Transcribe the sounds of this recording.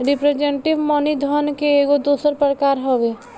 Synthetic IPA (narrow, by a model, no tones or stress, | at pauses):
ɾɪpɾed͡ʒeɳʈɪʋmɔːnid̪ʱɔnkeeːɡod̪uːsəɾpəɾkaːɾɦoʋeː